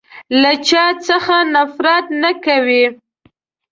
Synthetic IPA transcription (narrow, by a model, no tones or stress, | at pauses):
lat͡ʃɑt͡səxanafɾɑt̪nakawi